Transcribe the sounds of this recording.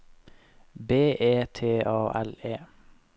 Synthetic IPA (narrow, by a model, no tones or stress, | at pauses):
beːʔeːt̪ʰeːʔɑːʔɛleː